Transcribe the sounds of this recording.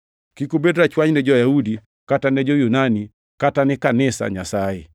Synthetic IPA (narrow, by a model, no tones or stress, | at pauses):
kikubedɾat͡ʃwaɲnɛd͡ʒɔjaudi | katanɛd͡ʒɔjunani | katanɛkanɛsa̰ɲasaɛ